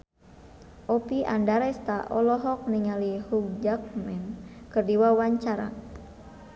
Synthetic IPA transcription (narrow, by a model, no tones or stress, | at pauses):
ʔɔpiʔa̰ndaɾɛst̪aʔɔlɔɦɔk̚niŋalihuk̚d͡ʒak̚mɛmkərdiwawaɲt͡ʃaɾa̰